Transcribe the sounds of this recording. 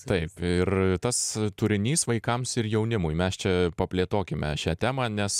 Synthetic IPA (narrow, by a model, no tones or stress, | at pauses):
t̪ɐɪpɪrt̪ɐst̪ʊɾʲɪnʲiːsʋɐɪkɐmsɪrjɛʊnʲɪmʊjmʲɛst͡ʃʲɛpɐpʲlʲeːt̪oːkʲɪmʲɛʃʲæːt̪ʲæːmɑːnʲɛs